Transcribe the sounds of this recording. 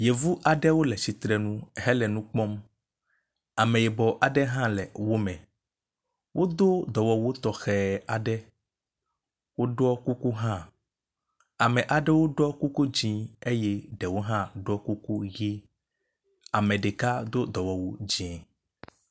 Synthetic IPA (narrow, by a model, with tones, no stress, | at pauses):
je˨vu˦ʔa˨ɖɛ˦wo˦lɛ˨si˨t̪ɾɛ˨nũ˦ɦɛ˦lɛ˨nũ˦k͡pɔ˦m | a˨mɛ̃˨jɛ˨bɔ˨ʔa˨ɖɛ˦ɦã˦lɛ˨wo˦mɛ̃˨ | wʔo˦d̪o˦d̪ɔ˨wɔ˨wo˦t̪ɔ˨xɛ˨a˨ɖɛ˦ | wo˦ɖɔ˦ku˦ku˦ɦã˦ | a˨mɛ̃˨ʔa˨ɖɛ˦wo˦ɖɔ˦ku˦ku˦d͡ʑĩ˦e˦jɛ˦ɖɛ˨wo˦ɦã˦ɖɔ˦ku˦ku˦ɣi˦ | a˨mɛ̃˨ɖe˨ka˦d̪o˦d̪ɔ˨wɔ˨wo˦d͡ʑi˦ɛ̃˨